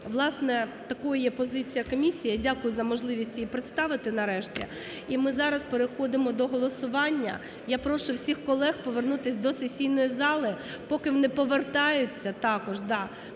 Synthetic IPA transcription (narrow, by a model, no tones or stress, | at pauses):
ʋlˠɑsnɛt̪ɐkɔjɐjɛpɔzɪt͡sʲijɐkɔmʲisʲijɐdʲakʊjʊzɐmɔʒlˠɪʋʲisʲtʲipɾɪt̪st̪ɑʋɪt̪ɪnɐɾɛʃtʲḭ | imɪzɑɾɐspeɾɪxɔd̪ɪmɔd̪ɔɦɔlˠɔsʊʋɑnʲːɐ̰ | japɾɔʃʊwsʲixkɔlˠɛxpɔʋernut̪ɪsʲd̪ɔsetʲsʲijnɔjizɑlˠɪpɔkɪʋɔnɪpɔʋert̪ɑjʊt͡sʲːɐt̪ɑkɔʒd̪ɑ